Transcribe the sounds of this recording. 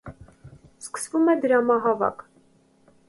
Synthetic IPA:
skə̥svumɛd̪əɾɑmɑɦɑvɑ̰k

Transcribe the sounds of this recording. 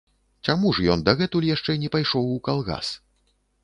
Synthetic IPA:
t͡ʂamuʐjɔnd̪ɐɣɛt̪ulʲjaʂt͡ʂɛnʲɛpajʂɔwukalˠɣa̰s

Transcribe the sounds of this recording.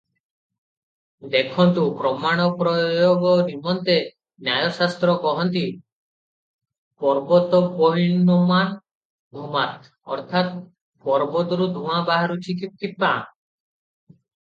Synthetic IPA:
d̪ekʰɔnt̪upɾɔmaɽ̃ɔpɾɔjoɡɔnimɔnt̪e | njajɔsast̪ɾɔkɔɦɔnt̪i | pɔɾbɔt̪ɔpɔɦiɳɔma | d̪ʱumat̪ | ɔ̰ɾt̪ʰat̪ | pɔɾbɔt̪ɔɾud̪ʱũãbaɦaɾut͡ʃʰikip̚kip̚ːã

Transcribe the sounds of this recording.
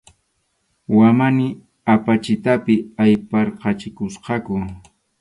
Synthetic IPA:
wamanɪ | apat͡ʃɪt̪apɪajpɑɾqɑt͡ʃɪkʊsqɑkʊ

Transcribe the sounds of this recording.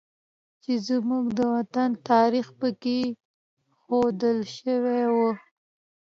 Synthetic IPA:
t͡ʃezmuɡd̪əwat̪ant̪ɑɾixpəke | xod̪əlʃəwewə

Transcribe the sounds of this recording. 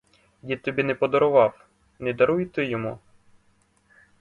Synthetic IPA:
jit̪ɔbʲinɛpɔd̪ɔɾʊʋɑw | nɛd̪ɐɾujt̪ɪjɔmu

